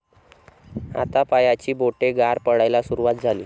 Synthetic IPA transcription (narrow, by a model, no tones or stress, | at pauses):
a̰t̪apajat͡ɕiːboʈeɡaɾpəɽajlasuɾuʋat̪̚d͡zʱaliː